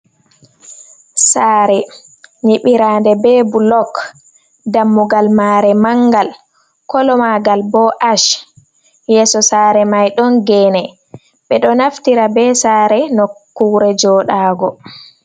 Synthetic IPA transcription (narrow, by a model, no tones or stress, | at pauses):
saːɾɛ | niɓiɾaːndɛbɛːbulɔk | damːuɡalmaːɾɛmaŋɡal | kɔlɔmaɡalbɔʔaʃ | jɛːsɔsaːɾɛmajɗɔnɡɛnɛ | ɓɛɗɔnaftiɾabɛsaːɾɛnɔkːuːɾɛd͡ʒɔːɗaːɡɔ